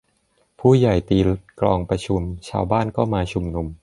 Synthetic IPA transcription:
pʰuː˥˩ja˨˩jt̪iː˧klɔː˧ŋpɾa˧t͡ɕʰu˧mt͡ɕʰa̰ː˧wbaː˥˩nkɔː˥˩maː˧t͡ɕʰu˧mnu˧m

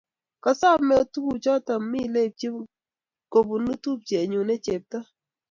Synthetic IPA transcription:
kɔ˨sɔ˦˨mɛ˦ɔ˦tu˦bu˨t͡ʃɔ˦ta˨mmi˦˨le˦˨p̚t͡ʃi˦ | ko˨bu˨nu˦tu˦˨p̚t͡ʃe˨ɲu˨ne˦t͡ʃe˨p̚tɔ˦

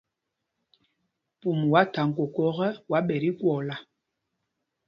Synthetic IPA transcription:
pu˨mwa˨˦ta˨ŋ̩˨ko˨kɔ˦ɣɛ˦wa˨˦ɓɛ˨ɾi˦kwɔ˨la˨

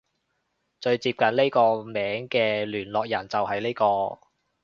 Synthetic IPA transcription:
t͡ʃɵ˧ɥt͡siː˧p̚kɐ˨nle˥jkɔː˧mɛː˨˥ŋkɛː˧lyː˨˩nlɔː˨k̚jɐ˨˩nt͡sɐ˨whɐ˨jnle˥jkɔː˧

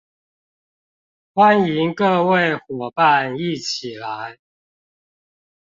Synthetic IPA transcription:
xwa˦ni˨˧˦ŋkɤ˥˧we˥˨ɪxwɔ˨˩pa˥˦˨ni˥˨t͡ɕʰi˨˩la˨˦ɪ

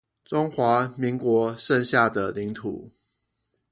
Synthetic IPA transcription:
ʈ͡ʂʊ˦ŋxwa˨˦mi˨˦ŋkwɔ˨˧˥ʂə˥˧nɕja˥˩d̪ə˨˩li˨˦ŋt̪ʰṵ˨˩˦

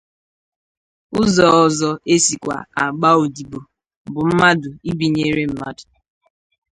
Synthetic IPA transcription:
ʊ˦zɔ˨ɔ˨zɔ˦e˦si˨kʷa̰˨a˨ɡ͡ba˦o˨di˨bo˨ | bʊ˨m̩˦ma˦dʊ˨i˦bi˨ɲe˦ɾe˦m̩˦ma̰˦dʊ˨

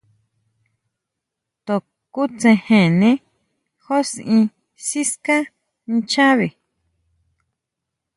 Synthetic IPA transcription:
t̪o˨ | ku˦t͡sẽ˧hẽ˨nẽ˦ | xo˦sĩ˧ | si˦ska˦ | nĩ˧t͡ʃa˦βi˨

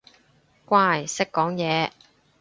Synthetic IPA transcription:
kʷaː˥˩˨jsɪ˥kːɔː˨˥ŋjɛː˨˧

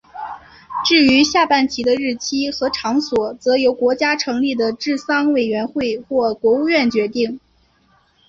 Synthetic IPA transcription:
ʈ͡ʂɻ̩˥˩y˧˥ɕja˥˧pa˥˩nt͡ɕʰi˧˥d̪ə˧ɻɻ̩˥˩t͡ɕʰi˥xɤ˧˥ʈ͡ʂʰɑ˧˥ŋswɔ˨˩t͡sɤ˧˥jo˧˥ʊkwɔ˧˥t͡ɕja˥ʈ͡ʂʰɤ˧˥ŋli˥˩d̪ə˩ʈ͡ʂɻ̩˥˩sɑ˥ŋwe˨˩ɪɥɛ˧˥nxwe˥˧ɪxwɔ˥˩kwɔ˧˥u˥˧ɥɛ˥˩nt͡ɕɥɛ˧˥t̪i˥˩ŋ

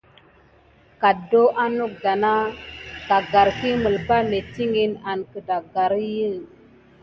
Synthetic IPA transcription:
ka˨do˦ʔa˦nu˦k̚da˨na˦ka˨ɡa˨ɾki˦mə˨lpa˦me˨ti˦ŋi˦na˨nkə˨da˨ɡa˨ɾi˦jə˦˨

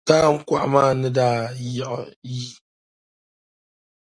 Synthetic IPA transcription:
taː˦ŋ̩˦ka˦ʔmaː˦˨nɨ˦daː˦˨jɛ˦˨ʔʊ˨ji˦

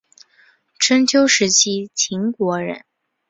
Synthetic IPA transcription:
ʈ͡ʂʰə˥nt͡ɕʰjo˥ʊʂɻ̩˧˥t͡ɕʰi˥t͡ɕʰi˧˥ŋkwɔ˧˥ɻə̰˧˥n

